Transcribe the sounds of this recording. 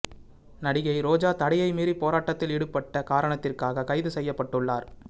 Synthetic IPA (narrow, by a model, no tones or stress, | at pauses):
nɐɽɪɣɐɪɾoːd͡ʒaːt̪ɐɽɪjɐɪmiːɾipːoːɾaːʈːɐt̪ːɪlɪɽɯpːɐʈːɐkaːɾɐɳɐt̪ːɪrkaːɣɐkɐɪðɯsɛjːɐpːɐʈːɯɭːaːɾ